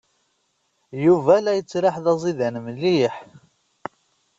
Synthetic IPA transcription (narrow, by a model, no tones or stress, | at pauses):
juvælæjət͡sːɾɪħðɑzˤiðænəmlːiħ